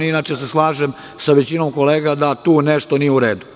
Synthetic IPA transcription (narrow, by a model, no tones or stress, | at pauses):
inaːt͡ʃeseslˠaːʒem | saʋet͡ɕinomko̞leːɡad̪at̪uːneʂt̪o̞nijeuɾeːd̪u